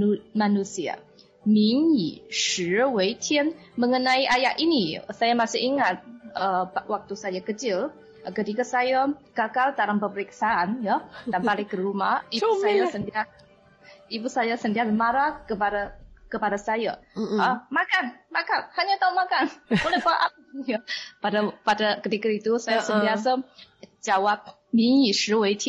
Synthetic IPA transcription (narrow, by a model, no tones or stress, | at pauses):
manusia̰ | miŋiʃəwejtʰiənməŋənaiʔajaʔinisajamasɪhiŋat̪̚əwak̚t̪usajakət͡ʃɪl | kət̪ikasajakakaldaɾampəpəɾiksaʔanjadanpalɪkəɾumahiusajasəndia | ibusajasəndialmaɾakəpadakəpadasajaəmakanmakanhaɲat̪aunmakanolɛhfaʔap̚japadapadakət̪ikəit̪usajasənbiasad͡ʒawap̚ | misɾuwetʰ